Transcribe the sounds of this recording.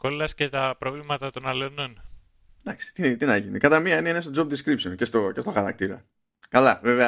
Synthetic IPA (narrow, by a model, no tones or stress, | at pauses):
ko̞lɐsce̞t̪ɐpɾo̞vlimɐt̪ɐt̪o̞nɐlonon | d̪ɐksi̥t̪it̪inɐʝinikɐt̪ɐmiɐineinest̪o̞d͡zo̞p̚d̪iskɾipsonce̞st̪oce̞st̪o̞xɐɾɐk̚t̪iɾɐ̰ | kɐlɐveveɐ